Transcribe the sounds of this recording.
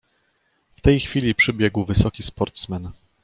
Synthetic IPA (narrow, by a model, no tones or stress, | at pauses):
ft̪ɛjxfʲilʲipʂɘbʲjɛɡwvɘsɔkʲispɔɾt̪smɛn